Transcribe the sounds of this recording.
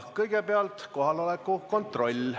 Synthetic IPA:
kɤjɡepeɑlt̪ko̞ɦɑlo̞lekːˑuko̞nt̪ro̞lʲ

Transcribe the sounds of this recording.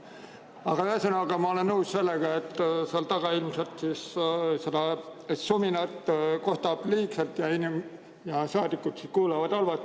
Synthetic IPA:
ɑɡ̥ɑyhesenɑɡ̥ɑmɑo̞le̞nːɤwsse̞lːeɡ̥ɑet̪ːˑseɑlt̪ɑɡ̥ɑilmselt̪sissed̪ɑsominɑt̪ˑko̞ht̪ɑb̥liːkselt̪jɑinim | jɑsɑːd̪ikːut̪siskuːlɑvɑd̪̥ɑlvɑt̪ːˑ

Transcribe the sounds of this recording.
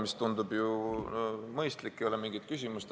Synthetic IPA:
mist̪t̪und̪ubju | mɤjst̪likːˑejolemiŋɡ̥it̪̚kys̬ʲimust̪

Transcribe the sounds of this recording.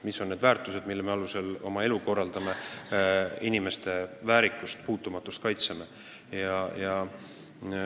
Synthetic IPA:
miso̞nne̞d̪væːrt̪ˑuse̞d̪milːeme̞ɑluse̞lo̞̰mɑe̞luko̞rːɑld̪̥ɑme̞ | inime̞st̪e̞væːɾikːˑust̪puːt̪ːˑumɑt̪ːˑust̪̚kɑjt̪seme | jɑjɑ

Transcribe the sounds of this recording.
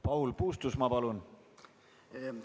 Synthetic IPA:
pɑɦulpuːst̪usmɑpɑlun

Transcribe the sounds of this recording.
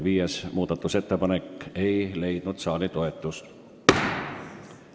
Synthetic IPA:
viːesmuːd̪̥ɑt̪ːˑuse̞t̪ːepɑnekːe̞jle̞jd̪̥nud̪̥sɑːlit̪o̞e̞t̪ːˑust̪

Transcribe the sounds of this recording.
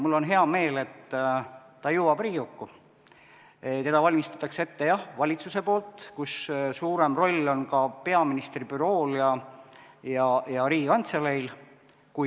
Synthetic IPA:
mulːo̞nɦe̞ɑme̞ːle̞t̪ː | ɑjuːwɑb̥riːukːu | t̪e̞d̪̥ɑvɑlʲmist̪ɑ̥t̪ːˑɑkse̞t̪ːe̞jɑhvɑlʲit̪suse̞po̞ːlt̪ˑkussuːɾe̞mro̞lʲːo̞nkɑpe̞ɑminist̪ribyɾo̞ːljɑ | jɑjɑɾiːɡikɑnt̪selejl | ku

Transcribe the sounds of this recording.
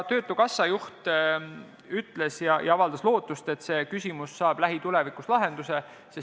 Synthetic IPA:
t̪ø̞ːt̪ːˑukɑsːɑjuht̪ | yt̪ˑle̞sjɑjɑɑvɑld̪̥ɑslo̞ːt̪ːˑust̪e̞t̪se̞ːkysʲimusːɑːb̥læɦit̪ule̞vikuslɑɦe̞nd̪̥use̞ | ses

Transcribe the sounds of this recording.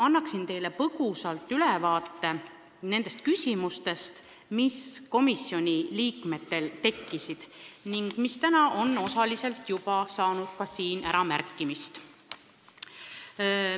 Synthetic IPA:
ɑnːɑksint̪e̞jle̞pɤɡ̥usɑlt̪ːˑylevɑːt̪ːe̞ | ne̞nd̪̥e̞st̪̚kysʲimust̪e̞st̪ | misko̞misːio̞nʲiliːkme̞t̪ːe̞lt̪e̞kːisid̪̥niŋɡ̥mist̪ænɑʔo̞nːo̞sɑlise̞lt̪jupɑsɑːnud̪̥̚kɑsiːnæɾɑmæ̰ɾkːˑimist̪

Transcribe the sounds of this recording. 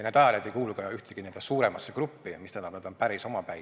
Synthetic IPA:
net̪ɑlʲjɑd̪ejkuːlukɑjɑyht̪eɡ̥ine̞nd̪esuːɾe̞mɑsːekrupːimist̪ænːɑbned̪̥o̞npæɾiso̞mɑpæj

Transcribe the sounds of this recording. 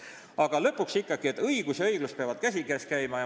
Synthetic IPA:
ɑɡ̥ɑlɤ̞pːˑuksikːɑɡ̥ie̞t̪ːˑɤjɡ̥usjɑɤjɡ̥lust̪̚peɑvɑd̪̥̚kæsʲiɡæːskæjmɑj

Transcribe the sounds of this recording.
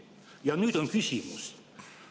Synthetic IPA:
jɑnyt̪onkysimus

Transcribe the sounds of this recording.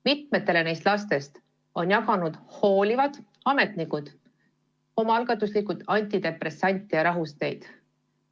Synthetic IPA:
mit̪me̞t̪ːe̞le̞ne̞jst̪lɑst̪e̞st̪ | o̞njɑkɑnud̪̥ho̞ːlʲivɑd̪̥ | ɑme̞t̪nikud̪̥ | o̞mɑɑlɡ̥ɑt̪ːˑuslikut̪ɑnʲt̪ʲid̪̥e̞pre̞sɑnʲt̪ʲːˑijɑɾɑɦust̪e̞jd̪̥

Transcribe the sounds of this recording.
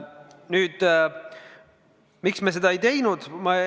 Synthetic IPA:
nyːd̪̥ | miksmese̞d̪̥ɑe̞jt̪e̞jnud̪̥mɑ

